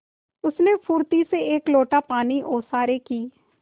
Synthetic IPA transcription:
ʊsneːpʰʊːɾt̪iːseeːkloːʈaːpaːniːʔoːsaːɾeːkiː

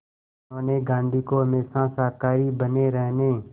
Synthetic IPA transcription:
oːneːɡãːnd̪ʱiːkoːɦəmeːsãːsaːkaːɾiːbəneːɾəɦneː

